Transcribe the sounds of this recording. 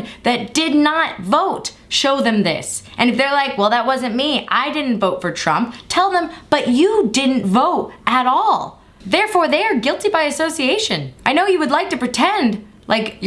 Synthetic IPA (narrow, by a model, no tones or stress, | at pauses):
ðɨt̚d̥ɪdⁿnət̚voʊt | ʃoʊðɨ̃mðɪ̰sʔɨ̃nɨfðə˞laɪkwɛlˠðət̚wʌzɨ̃nmiʔa̰ɪdɪdⁿn̩tvoʊtfə˞tʰɹ̥ʌ̰̃mp̚tʰɛlˠðə̃mb̥ʌt͡ʃɨdɪdⁿn̩tvoʊɾɨɾɔlˠ | ðɛɹfɔɹðeɪə˞ɡɪlˠtibaɪɨsoʊsieɪʃɨ̃nʔaɪnoʊjɨwɨdˡlaɪk̚tɨpɹ̥ɨtʰɛ̃nd | lʔaɪk